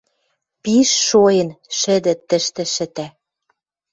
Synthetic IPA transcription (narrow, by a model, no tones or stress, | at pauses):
piʃːojə̆nʃɘ̆d̪ɘ̆t̪ːə̆ʃt̪ɘ̆ʃɘ̆t̪æ